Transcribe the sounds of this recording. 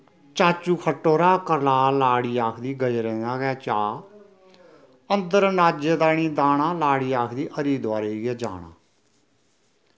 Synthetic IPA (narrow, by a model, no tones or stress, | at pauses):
t͡ʃaːt͡ʃuːkʰəʈːoːɾaːkəɾlaːlaːɽiːaːkʰd̪iːɡəd͡ʒɾɛ̃ːnaːɡɛːt͡ʃaː | ənd̪əɾnaːd͡ʒed̪aːniːd̪aːɳãːlaːɽiːaːkʰd̪iːʔəɾiːd̪ʊʋaːɾeːɡɛːd͡ʒa̰ːɳa̰ː